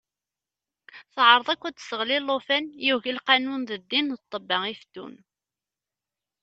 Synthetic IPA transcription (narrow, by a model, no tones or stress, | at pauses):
θʕəɾˤðˤækʷːæd̪səʁlilːofænjuʝilqanunðəd̪ːinðət̪ˤːəbːɑŋifd̪ṵn